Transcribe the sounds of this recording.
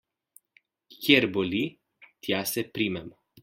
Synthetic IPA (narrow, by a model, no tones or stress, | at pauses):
kʲeɾboli | t̪jasɛpɾimɛm